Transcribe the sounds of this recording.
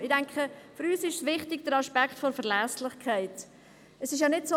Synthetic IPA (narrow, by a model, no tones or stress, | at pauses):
ɪdæŋkχəfʏɾyːsɪʃsʋɪχtɪɡd̥əɾɑʃpækχtfoɾfəɾlæslɪχkʰæɪt | əsɪʃ̬jɑnɪtso